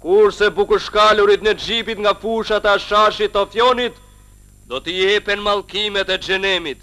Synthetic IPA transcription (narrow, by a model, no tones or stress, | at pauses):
kuɾsɛbukuʃkaluɾit̪nɛd͡ʒipit̪ŋɡafuʃat̪aaʃaʃit̪ɔfjɔnit̪ | d̪ɔt̪əjɛpɛnmalˠkimɛt̪ɛd͡ʒɛnɛmit̪